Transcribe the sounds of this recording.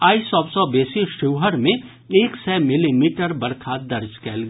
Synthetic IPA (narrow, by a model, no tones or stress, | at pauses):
aːisɔːbsɔbeːsiʃɪʋɦəɾmẽ | eːksɛːmɪlimiːʈəɾbɐɾkʰad̪ɐɾd͡ʒkɛːlɡ